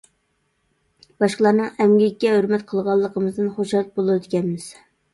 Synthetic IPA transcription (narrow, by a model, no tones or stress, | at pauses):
bɑʃqəlˠɑɾnɨŋɛmɡʲikʲːɛhøɾmɛt̪qʰəlˠʁɑlˠːəqʰəmɨzd̪ɨnχoʃhɑt̪̚bolˠɨɨd̪ɪkʲʰɛnmɪz̥